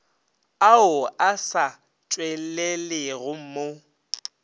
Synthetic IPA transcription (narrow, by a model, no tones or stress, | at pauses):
aʊasa | t͡ʃʼwɛɛlɪɣʊm̩mo